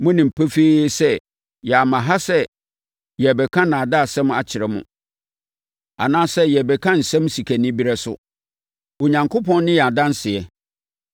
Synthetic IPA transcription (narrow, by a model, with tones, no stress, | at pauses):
mʊ̃˦nɪ̃˨m̩˨pʰæ˦feː˦sɛ˦ | jɛ˨a˨mã˨ɦa˦sɛ˦ | jɛ˨bɛ˨kʰã˦nã˨da˦a˨sɛ̃˦ma̰˨t͡ɕʰɪ˨ɾɛ˨mʊ̰̃˨ | a̰˨nãː˦sɛ˦jɛ˨bɛ˨kʰã˦n̩˨sɛ̃˦m˦si˨kʰæ˨nɪ̃˦bi˦ɾɛ˦sʊ̰˦ | wo˨ɲã˨ŋkʰʊ˦pʰɔ̃˦n˦nɪ̃˦jɛ˨a˨dã˦n˦sɪ˨ɛ˨